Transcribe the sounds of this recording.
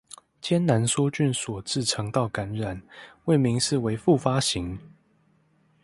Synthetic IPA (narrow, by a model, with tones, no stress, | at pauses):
t͡ɕjɛ˥nna˧˥nswɔ˥t͡ɕy˥˨nswɔ˨˩t͡sɹ̩˥˨ʈ͡ʂʰɤ˧˥ŋt̪ɑ˥˩ʊka˧˦˥nɻa˨˩nwe˥˩ɪmi˧˦˥ŋʂɻ̩˥˩˨we˧˥ɪfu˥˨fa˥ɕi˧˦ŋ